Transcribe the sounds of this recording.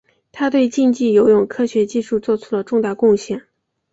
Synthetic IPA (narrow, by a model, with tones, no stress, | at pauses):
t̪ʰa˥t̪̬we˥˧ɪt͡ɕi˥˧ŋt͡ɕi˥˩jo˧˥ʊjʊ˨˩ŋkʰɤ˥ɕɥɛ˧˥t͡ɕi˥˧ʂu˥˧t͡swɔ˥˧ʈ͡ʂʰu̥˥lə˧ʈ͡ʂʊ˥˧ŋt̪a˥˧˩kʊ˥˧ŋɕjɛ˥˩n